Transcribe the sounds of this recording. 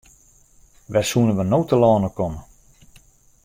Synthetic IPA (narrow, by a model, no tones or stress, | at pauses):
ʋɛsuənəʋənowtəlɔːnəkɔmə